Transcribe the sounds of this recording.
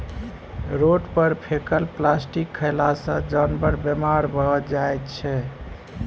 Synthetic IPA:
ɾoʈpəɾpʰekəlplasʈikʰːəjlasə̃d͡ʒənbəɾbjemaɾbʱəd͡ʒajt̪t͡ʃʰɛ

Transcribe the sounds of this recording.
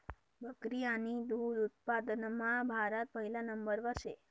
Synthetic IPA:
bəkɾijanid̪ud̪ut̪̚pad̪ənmãbʱaɾət̪̚məɦilanəmbəɾʋəʃe

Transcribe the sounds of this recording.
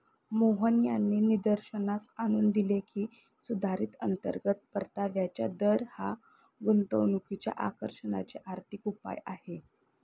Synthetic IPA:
moɦənjanːiːnid̪əɾɕənasaɽ̃uːnd̪ilekʰiː | sud̪ʱaɾiːt̪ənt̪ə̰ɾɡət̪̚pəɾt̪aʋjat͡ɕja̰d̪əɾha | ɡunt̪əʋnukit͡ɕja̰ʔakəɾʂəna̰t͡ɕeʔaɾt̪ʰikupa̰jahe

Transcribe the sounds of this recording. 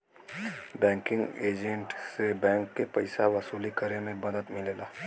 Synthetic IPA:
bɛ̃ːŋkɪ̃ŋɡeːd͡ʒə̃ɳʈsebɛ̃ːŋkːepɐɪsaʋɐsuːlikəɾemẽmɐd̪əd̪mɪleːlaː

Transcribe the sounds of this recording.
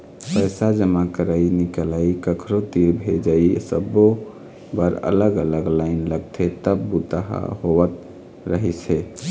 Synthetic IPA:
pəjsad͡ʒəmakəɾainikəlaikəkʰɾot̪iɾbʱed͡ʒaisə̰bo | bəɾə̰ləɡələɡlaɪnləɡ̚t̪ʰet̪əbbut̪a̰ɦa̰ɦowət̪ | ɾəɦisʰe

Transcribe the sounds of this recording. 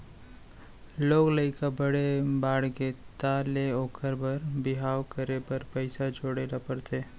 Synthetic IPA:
loːɡləɪkabəɽebaːɽɡet̪aleoːkʰəɾbəɾbɪɦaːwkəɾepəɾpəɪsad͡ʒoːɽeːlapəɽt̪ʰe

